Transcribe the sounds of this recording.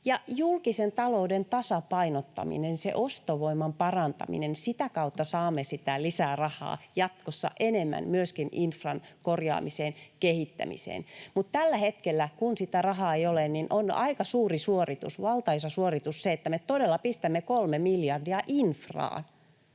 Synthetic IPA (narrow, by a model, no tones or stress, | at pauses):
jɑjulkisent̪ɑloudent̪ɑsɑpɑinot̪ːɑ̰mḭnensḛʔost̪oʋoimːɑmpɑrɑnt̪ɑ̰mḭnensit̪ækɑut̪ːɑsɑːmːesit̪ælisæːrɑhɑ̰ːjɑt̪kosːɑ̰ʔenemːæ̰nmyøskininfrɑnkorjɑ̰ːmiseːnkehit̪ːæ̰mḭsḛːnmut̪t̪ælːæhet̪kelːækunsit̪ærɑhɑːeijolenninʔonɑ̰ikɑsuːrisuorit̪ṵsʋɑlt̪ɑisɑsuorit̪usseet̪ːæmet̪odelːɑpist̪æmːekolmemiljɑrdiɑʔinfrɑ̰ːn